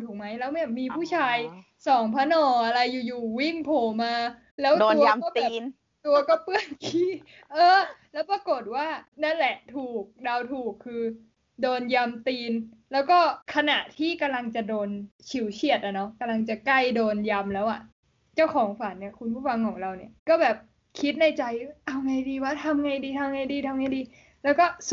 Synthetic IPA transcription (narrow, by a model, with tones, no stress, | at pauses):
t̪ʰuː˨˩k̚ma˦˥jlɛː˦˥wmi˦˥˩miː˧pʰuː˥˩t͡ɕʰaː˧j | sɔː˩˦ŋpʰa˦˥nɔː˧˩ʔa˧ɾa˧jːuː˨˩juː˨˩wi˥˩ŋpʰoː˨˩maː˧ | lɛː˦˥wt̪u˧ɐ˧kɔː˥˩bɛː˨˧n | t̪u˧ɐkɔː˥˩pɯ˥˩ənkʰiː˦˥ | ʔɤː˧lɛː˦˥wpɾa˧ko˨˩t̪̚waː˥˩na˦˥˩nlɛ˨˩t̪ʰuː˨˩k̚da˧wt̪ʰuː˨˩kʰːɯː˧ | doː˧nja˧mt̪iː˧n | lɛː˦˥wkɔː˥˩kʰa˧na˨˩ʔt̪ʰiː˥˩ka˧mla˧ŋt͡ɕa˨˩doː˧nt͡ɕʰi˨˩˦wt͡ɕʰi˨˩ət̪̚ʔa˨˩nɔ˦˥ka˧mla˧ŋt͡ɕa˨˩kla˥˩jdoː˧nja˧mlɛː˦˥wʔa˨˩ | t͡ɕa˥˩wkʰɔː˩˦ŋfa˨˩˦nːi˥˩ɐkʰu˧npʰu˥˩fa˧ŋkʰɔː˩˦ŋɾa˧wni˥˩ɐkɔː˥˩bɛː˨˩p̚ | kʰi˦˥t̪̚na˧jt͡ɕa˧jʔa˧wŋa˧jdiː˧wa˦˥˩t̪ʰa˧mŋa˧jdiː˧t̪ʰa˧mŋa˧jdiː˧t̪ʰa˧mŋa˧jdiː˧ | lɛː˦˥wkɔː˥˩